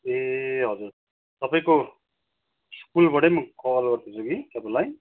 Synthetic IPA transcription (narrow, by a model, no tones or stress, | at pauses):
eɦʌd͡zur | t̪ʌpaĩko | skulbʌɽemʌkʌʌlɡʌrt̪ʰit͡sʰoɡit̪ʌbalaj